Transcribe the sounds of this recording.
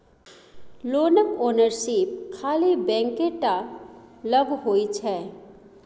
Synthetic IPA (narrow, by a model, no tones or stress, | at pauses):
loːnəkoːnəɾʃɪp̚kʰaːlibɛ̃ːŋkeʈa | ləɡɦoːit͡ʃʰɛː